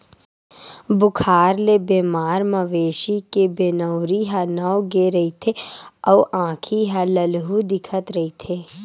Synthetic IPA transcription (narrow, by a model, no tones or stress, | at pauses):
bʊkʰaːɾlebeːmaːɾmɐʋeːʃikebeːnəːɾiɦanaoɡeɾɐit̪ʰeɔːʔãːkʰiɦaləlɦud̪ɪkʰət̪ɾɐɦit̪ʰeː